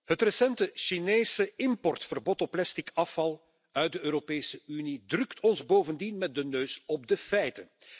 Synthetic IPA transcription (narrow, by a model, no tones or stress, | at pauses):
ɦətrəsɛntəʃineːsəɪmpɔrtfərbɔtɔpːlɛstikɑfɑlˠ | œɥt̚dəøːɾopeːsəynidrɵktʰɔnzboːvəndinmɛt̚dənøːsɔb̚dəfɛjtən